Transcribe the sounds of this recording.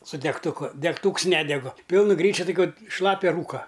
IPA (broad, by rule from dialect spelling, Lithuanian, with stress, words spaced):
sʊ dʲɛktʊˈkʊ dʲɛkˈtuːks ˈnʲæːdʲɛɡʊ ˈpʲɪlˠnʊ ˈɡrʲiːt͡ʃʲʊ toːˈkʲʊ ˈʃlˠɑːpʲɛ ˈruːkɐ